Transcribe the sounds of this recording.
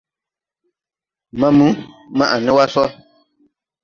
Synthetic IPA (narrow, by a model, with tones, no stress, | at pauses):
mã˦mũ˨˦ | mã˦ʔa˨nɪ̃˦wa˦sɔ˦